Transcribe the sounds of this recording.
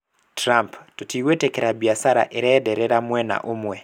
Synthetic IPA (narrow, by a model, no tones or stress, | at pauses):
tɾamptotiwetɛkeɾabiasaɾa̰ʔeɾɛdɛɾɛɾamwɛna̰ʔomwɛ